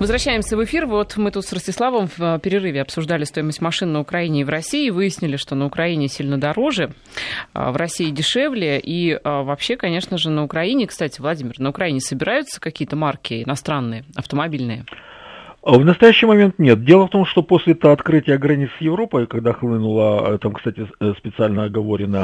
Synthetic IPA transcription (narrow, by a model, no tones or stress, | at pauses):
vəzvɾɐɕːæjɪmsʲəvɨfʲirvo̞t̪mɨt̪ut̪srəsʲtʲɪslˠavəmfəpʲɪɾʲɪrɨvʲɪɐpsʊʐd̪alʲɪst̪o̞ɪməsʲtʲmɐʂɨnːəʊkɾɐinʲɪːvɾɐsʲiɪvɨjɪsʲnʲɪlʲɪʂt̪o̞nəʊkɾɐinʲɪsʲilʲnəd̪ɐɾo̞ʐɨ̰ | vrɐsʲiɪdʲɪʂevlʲɪjəʔiəvɐpɕːe̞kɐnʲe̞ʂnəʐɨnəʊkɾɐinʲɪkst̪atʲɪvlˠɐdʲimʲɪrnəʊkɾɐinʲɪsəbʲɪɾajʊt̪sə̥kɐkʲijət̪əmarkʲɪɪnɐst̪ɾanːɨjəɐft̪əmɐbʲilʲnɨjə | vnəst̪ɐjæɕːɪjmɐmʲe̞nt̪nʲe̞t̪̚dʲe̞lˠəft̪o̞mʂt̪o̞posʲlʲɪt̪əɐt̪kɾɨtʲɪjəɡɾɐnʲit̪sjɪvɾo̞pəkɐɡd̪axlˠɨnʊlˠət̪amkst̪atʲɪspʲɪt̪sɨalʲnəɐɡɐvo̞ɾʲɪnə